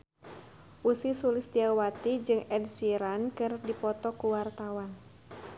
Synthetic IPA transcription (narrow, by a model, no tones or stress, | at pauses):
ʔusisulɪsdiawat̪id͡ʒɨŋɛd̚siɾankɨrdipɔt̪ɔkuwart̪awan